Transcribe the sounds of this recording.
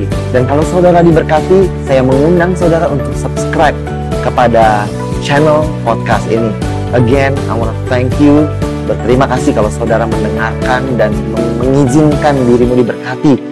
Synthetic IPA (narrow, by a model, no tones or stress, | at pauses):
dankalawsaudaɾadibərkat̪isajaməŋundaŋsaudaɾaʔunt̪ʊk̚səpskɾajp̚ | kəpada | t͡ʃɛnəlpɔt̚kast̪ḭni | ʔəɡɛna̰wnat̪ɛŋkju | bərt̪əɾimakasɪhkalawsaudaɾaməndəŋarkandanməməŋid͡ʒɪnkandiɾimudibərkat̪i